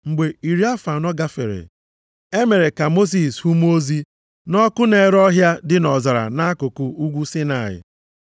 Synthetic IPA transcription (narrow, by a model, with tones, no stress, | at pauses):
ŋ͡m̩˨ɡ͡be˨i˨ɾi˦a˦fa˨nɔ˦ɡa˦fḛ˨ɾḛ˨ | e˦me˨ɾe˨ka˨mo˦s̬i˨shu˦m˦o˦zi˦ | nɔ˦kʊ˦ne˨˦ɾɔ˦ɦja˦dɪ˦nɔ˨za˨ɾa̰˨na˦kʊ˨kʊ˨u˦ɡʷu˦si˦na˨ɪ̰˨